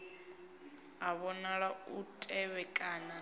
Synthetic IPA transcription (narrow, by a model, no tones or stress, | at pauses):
aβɔnaɺautʼɛβɛkʼaːna